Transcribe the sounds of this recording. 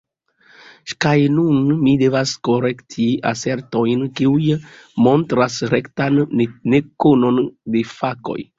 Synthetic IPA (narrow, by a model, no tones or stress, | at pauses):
kajnunmide̞vasko̞ɾe̞ktʰia̰se̞ɾto̞jnkiujmo̞ntɾasɾe̞ktanːe̞kono̞nde̞fako̞̰j